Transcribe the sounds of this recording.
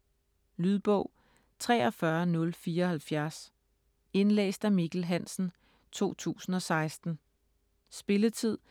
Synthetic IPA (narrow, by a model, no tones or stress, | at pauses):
lyðˠb̥ɔ̽ʊ̰ | t͡sʰʁɛ̰ːɒ̽fɶɐnɔ̽lfiːɐɒ̽hælfjæɐs | e̝nlḛːsd̥æmiɡ̥l̩ɦæn̰sn̩ | t͡sʰo̝̰ːt͡sʰṵːsn̩ɒ̽sɑ̈ɪsd̥n̩ | sb̥e̝lət͡sʰið̞̰ˠ